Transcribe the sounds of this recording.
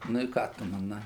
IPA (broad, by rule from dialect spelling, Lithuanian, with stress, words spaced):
nʊ ɪ ˈkɑː tʊ mɐˈnɐɪ